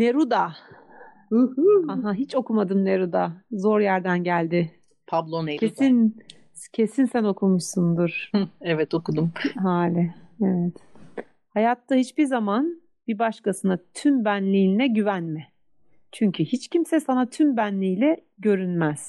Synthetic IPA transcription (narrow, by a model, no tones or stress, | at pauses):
ne̞ɾud̪a | aɦaɦit͡ʃo̞kumad̪ɯmne̞ɾud̪azo̞ɾjæɾd̪ænɟælʲd̪ɪ | pʰablˠonecʰesin | cʰe̞sinsæno̞kʰumuʃsund̪uɾ̥ɛvɛt̪okud̪umɦaːlʲɪevɛt̪ | hajat̪ːahit͡ʃbiɾzaman | bibaʃkasɯnat̪ʰymbænlʲiːninɛɟyvænmɪ | t͡ʃʰyɲcʰyhit͡ʃcʰimsɛsanat̪ʰymbænlʲiːlʲɛ | ɟø̞ɾynmæz̥